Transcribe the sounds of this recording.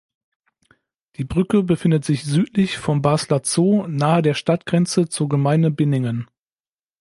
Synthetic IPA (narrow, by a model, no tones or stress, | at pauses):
d̥iːbʁʏkəbəfɪndətz̥ɪçz̥yːtʰlɪçfɔnbaːslat͡soːnaːədeːɐʃtatɡ̥ʁɛnt͡sət͡suːɐɡəmaɪnəbɪnɪŋən